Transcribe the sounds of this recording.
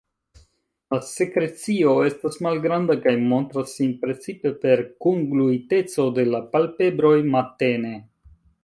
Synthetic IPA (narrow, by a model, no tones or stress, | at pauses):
lasekɾe̞t͡sio̞e̞stasmalɡɾandakajmo̞ntɾasːinpɾe̞t͡sipe̞pe̞ɾkuŋɡluite̞t͡so̞de̞lapalpe̞bɾo̞jmate̞ne̞